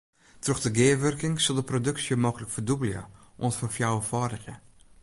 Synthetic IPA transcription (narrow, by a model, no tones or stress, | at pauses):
troxd̥əɡɪːʋørkɪŋsəlˠdəprodøksjəmɔkələkfərdubəlˠjə̰ | ʔontfɔrfjawəfɔːdəxjə̰